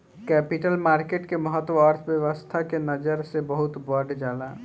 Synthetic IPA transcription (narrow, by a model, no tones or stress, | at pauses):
kɛpiʈəlmaɾkeʈkeməɦət̪wəəɾt̪ʰbjəʋəst̪ʰakenəd͡ʒəɾsebəɦut̪bəɖd͡ʒala